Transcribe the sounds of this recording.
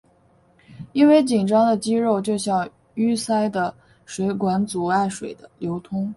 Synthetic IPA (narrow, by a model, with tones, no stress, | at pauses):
i˥nwe˥˩ɪt͡ɕi˨˩ŋʈ͡ʂɑ˥ŋd̪ə˨t͡ɕi˥ɻo˥˩ʊt͡ɕjo˥˧ʊɕjɑ˥˩ŋ | y˥sa˥ɪd̪ə˨ | ʂwe˧˥ɪkwa˧˥nt͡su˨˩a˥˩ɪʂwe˨˩ɪd̪ə˦ljo˧˥ʊt̪ʰʊ˥ŋ